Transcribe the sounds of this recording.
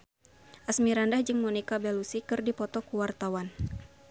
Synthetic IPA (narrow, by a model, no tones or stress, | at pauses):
ʔasmiɾandahd͡ʒɨŋmonikabɛlusikɨrdipɔt̪ɔkuwart̪awan